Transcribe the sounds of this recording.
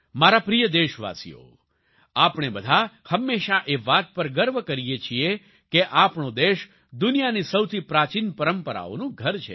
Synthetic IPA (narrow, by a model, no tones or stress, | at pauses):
maɾapɾijəd̪eʃʋa̰sḭjo̰ | apɳebəd̪ʱahəmːeʃaʔeʋat̪̚pəɾɡəɾʋəkəɾijet͡ʃʰie | keʔapɳod̪eʃ | d̪unijanisəwt̪ʰipɾat͡ʃinpəɾəmpəɾa̰o̰nũɡʱəɾt͡ʃʰḛ